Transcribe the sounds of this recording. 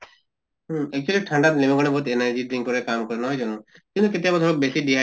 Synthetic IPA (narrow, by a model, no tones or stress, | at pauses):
ɦɛk̚t͡ʃualiʈʰaɳɖat̪nemeɡɔɽ̃ebɔɦut̪enaɾd͡ʒiʈɾiŋɡkɔɾekamkɔɾɛnɔɦɔjd͡ʒɔnũ | kĩnt̪uket̪ɛjabɔt̪ʰɔlɔk̚besiɖiɦa